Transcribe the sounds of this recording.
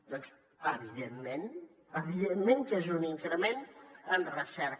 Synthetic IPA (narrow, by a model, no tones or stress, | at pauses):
d̪ɔns | əβiðemmẽn | əβiðenmẽŋkezuniŋkɾəmẽnt̪ənrəsɛɾ